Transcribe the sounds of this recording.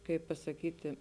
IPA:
ˈkɐɪp pɐsɐˈkʲiːtʲɪ

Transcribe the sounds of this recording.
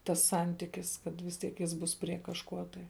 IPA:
tɐs ˈsɐnʲtʲɪkʲɪs kɐt ʋʲɪs ˈtʲiɛk ˈjɪs ˈbʊs pʲrʲiɛ kɐʃˈkuɔ tɐɪ

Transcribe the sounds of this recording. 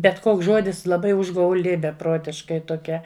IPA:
bʲɛt ˈkoːks ˈʒoːdʲɪs lˠɐˈbɐɪ ʊʒɡɐʊˈlʲɪ bʲɛˈproːtʲɪʃkɐɪ toːˈkʲɛ

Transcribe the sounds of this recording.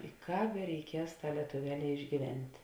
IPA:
ɪ ˈkɑːp bʲɛrʲɛɪˈkʲiɛs ˈtɑː lʲiɛtʊˈʋʲæːˌlʲɛː ɪʒʲɡʲiːˈʋʲɛnʲtʲ

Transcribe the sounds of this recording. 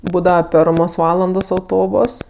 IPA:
ˈbuːdɐʋɐ ˈpʲɛrmoːs ˈʋɑːlˠɐndoːs ɐʊˈtoːboːs

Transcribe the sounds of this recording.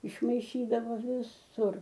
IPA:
ɪʃmɐɪˈʃʲiːdɐʋoː ʋʲɪˈsʊr

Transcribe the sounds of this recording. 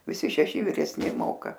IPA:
ʋʲɪˈsʲɪ ʃʲɛˈʃʲɪ ʋʲɪrʲɛsʲˈnʲɪ ˈmoːkɐ

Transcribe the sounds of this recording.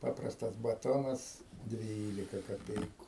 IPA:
ˈpɑːprɐstɐs bɐˈtoːnɐs ˈdʲʋʲiːlʲɪkɐ kɐˈpʲɛɪkʊ

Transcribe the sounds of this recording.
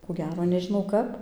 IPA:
koː ˈɡʲæːroː nʲɛʒʲɪˈnɐʊ ˈkɐp

